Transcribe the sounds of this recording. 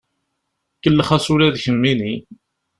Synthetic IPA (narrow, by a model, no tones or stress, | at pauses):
kːəlːəχæsulæðçəmːini